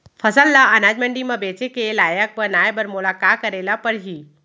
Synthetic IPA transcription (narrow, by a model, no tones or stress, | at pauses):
fʰəsəlːaʔənad͡ʒmə̃ɳɖimãbet͡ʃekelaːjək̚bənajbəɾmʊlakakəɾelapəɽɦi